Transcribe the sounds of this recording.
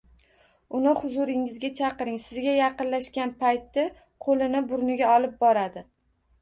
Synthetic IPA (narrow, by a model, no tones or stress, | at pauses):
ʊnɪχʊzʊɾɪŋɪzɡʲat͡ʃʰɑqɨɾɪŋsɪzɡʲajɑqɨnlaʃkʲanpajt̪ːɪ | qʰolɪnɪbʊɾnɪɡʲaɒlˠɪp̚bɒɾad̪ɪ